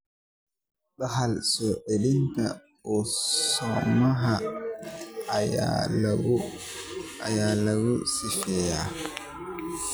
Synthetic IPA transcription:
ɗaɦalsɔʔelinta | ɔsɔmaɦa | ja̰law | ajalawusifɛja

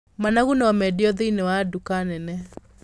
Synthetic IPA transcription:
manaɣunaɔmɛdeɔðeinewadukanɛnɛ

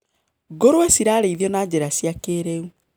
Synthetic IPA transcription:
ɡoɾoɛsiɾaːɾeiðiɔnad͡ʑeɾasjakeɾeu

